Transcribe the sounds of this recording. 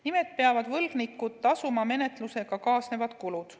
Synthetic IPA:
nime̞t̪̚peɑvɑd̪̥vɤlɡ̥nikːˑut̪ːɑsumɑme̞ne̞t̪ˑluse̞ɡ̥ɑkɑːsne̞vɑd̪̥kulud̪̥

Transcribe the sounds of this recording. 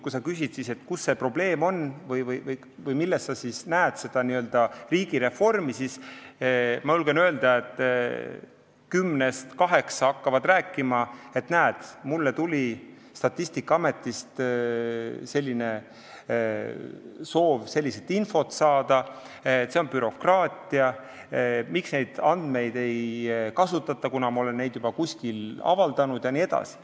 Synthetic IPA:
kusɑkysid̪̥siset̪kusːe̞pro̞b̥le̞ːmo̞nvɤjvɤjvɤj | vɤjmilːestsɑsisnæːd̪̥se̞d̪̥ɑniø̞ld̪̥ɑriːɡ̥iɾe̞fo̞rmisis | mɑjulɡ̥enøeld̪̥ɑet̪ːˑ | kymne̞st̪kɑɦe̞ksɑɑkːɑvɑd̪ræːkːˑimɑe̞t̪næːd̪̥mulːe̞t̪ulʲi | st̪ɑt̪ːˑisʲt̪ikːˑɑme̞t̪ˑːist̪ | se̞lʲːine̞ | so̞ːvse̞lʲːiset̪ːˑinfo̞t̪sɑːd̪̥ɑ | t̪ːse̞o̞npyɾo̞krɑːt̪ˑiɑ | miksne̞jd̪̥ɑnd̪̥me̞jd̪̥e̞jkɑsut̪ːˑɑt̪ːˑɑkunɑmɑo̞le̞nːe̞jd̪jub̥ɑkusʲkilɑ̰vɑld̪̥ɑnud̪̥jɑnie̞d̪̥ɑ̰si̥

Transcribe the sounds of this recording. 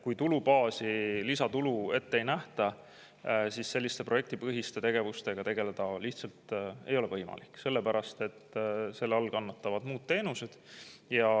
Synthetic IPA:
kujt̪ulupɑːsilisɑt̪ulue̞t̪ːe̞jnæht̪ɑ | sisːe̞lʲːist̪e̞proe̞k̚t̪ipɤɦist̪et̪e̞ɡ̥e̞vust̪e̞ɡ̥ɑt̪e̞ɡ̥e̞le̞d̪̥ɑliht̪sɑlt̪e̞̰jo̞levɤjmɑ̰likːˑse̞lːepæɾɑst̪e̞t̪ːˑse̞lːeɑlkɑnːɑt̪ːɑvɑd̪̥muːd̪̥̚t̪ːe̞ːnuse̞d̪̥jɑ

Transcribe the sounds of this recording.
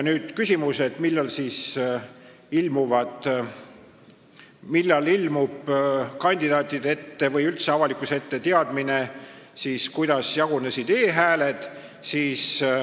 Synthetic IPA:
jnyːd̪̥kysʲimuse̞t̪milːɑlsiːs | ilmuvɑd̪̥ | milːɑlilmub̥kɑnʲd̪̥id̪̥ɑːt̪ːˑid̪̥ee̞t̪ːe̞vɤjylt̪seɑvɑlikˑuse̞t̪ːe̞t̪e̞ɑd̪̥mine̞siːskujd̪̥ɑsjɑɡunesid̪e̞ːɦæːle̞d̪̥ | siːs

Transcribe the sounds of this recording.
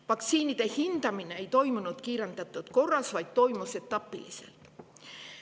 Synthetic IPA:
ʋɑkt̪siːnit̪ehint̪ɑmineejt̪o̞jmunut̪kiːɾɑnt̪æt̪ːˑot̪ko̞rɑsʋɑjt̪t̪ːo̞jmoset̪ːɑpːḭlḭsḛlt̪

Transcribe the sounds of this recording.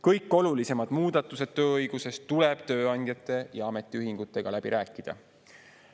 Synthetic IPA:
kɤjkːˑo̞lulise̞mɑd̪̥muːd̪̥ɑt̪ːˑuse̞d̪̥t̪øːɤjɡ̥use̞st̪ule̞b̥̚t̪ø̞ːɑnʲd̪̥ʲjɑt̪ːˑe̞jɑɑme̞t̪ːˑiyɦiŋɡ̥ut̪ːˑe̞ɡ̥ɑlæb̥iɾʔæːkːˑid̪̥ɑ̰

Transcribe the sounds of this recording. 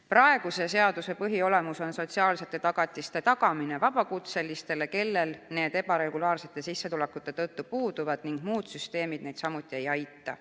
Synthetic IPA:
prɑe̞ɡ̥use̞se̞ɑd̪̥use̞pɤɦio̞le̞muso̞nso̞t̪siɑːlse̞t̪ːˑet̪ɑɡ̥ɑt̪ʲːˑist̪e̞t̪ɑɡɑmine̞vɑb̥ɑkut̪se̞lːist̪e̞le̞ke̞lːe̞lne̞ːd̪̥e̞bɑɾe̞ɡ̥ulɑːrse̞t̪ˑːe̞sisːe̞t̪ule̞kːut̪ːˑe̞t̪ɤt̪ːupuːd̪̥uvɑd̪̥niŋɡ̥muːd̪̥syst̪e̞ːmid̪̥ne̞jd̪̥sɑmut̪ˑːie̞jɑjt̪ːˑɑ̰

